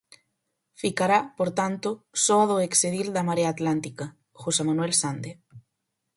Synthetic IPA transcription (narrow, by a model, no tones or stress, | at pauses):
fikaɾapoɾt̪ant̪osoaðoekseðild̪amaɾeaːt̪lant̪ika | xosemanwelsand̪e